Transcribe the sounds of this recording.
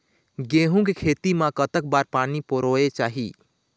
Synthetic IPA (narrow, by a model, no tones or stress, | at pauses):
ɡeɦũkekʰet̪imãkət̪ək̚baɾpaːnipoɾoet͡ʃaːɦḭ